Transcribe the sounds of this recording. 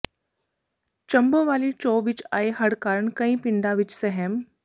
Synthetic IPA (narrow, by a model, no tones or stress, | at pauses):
t͡ʃɐmbəʋaːlit͡ʃoːʋɪt͡ʃa̰ːeɦɐɽkaːɾəɳkɐĩpɪɳɖaʋɪt͡ʃsɛɦɛm